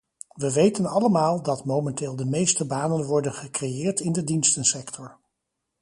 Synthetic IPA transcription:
ʋəʋejtənɑləmaːlˠdɑtmowmɛntɪːlˠdəmejstəbaːnənʋɔɹdənχəkrejɪːɹtɪndədinstənsɛktʰɔɹ

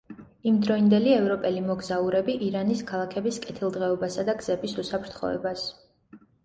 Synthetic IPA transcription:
imd̪ɾɔind̪ɛliɛvɾɔpʼɛlimɔɡzauɾɛbiʔiɾaniskʰalˠakʰɛbiskʼɛt̪ʰilˠd̪ʁɛɔbasad̪aɡz̥ɛbisusapʰɾt̪ʰχɔ̰ɛ̰bas

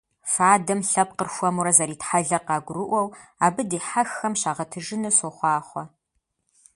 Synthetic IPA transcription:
faːdɐmɬɐp̚qərxʷɔmuɾɐzɐɾiːtħaɮɐqɑːɡʷʊrɨʔʷɔwaːbɨdiːħaxːɐmɕaːʁɐtʰɨʒɨnɐsoχʷɑːχʷɔ

